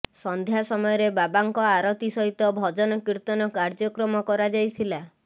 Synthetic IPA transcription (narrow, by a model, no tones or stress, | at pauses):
sɔnd̪ʱjasɔmɔjɔɾebabaŋkɔaɾɔt̪isɔɦit̪ɔbʱɔd͡ʒɔnɔkiɾt̪ɔnɔkaɾd͡ʒɔkɾɔmɔkɔɾad͡ʒajt̪ʰila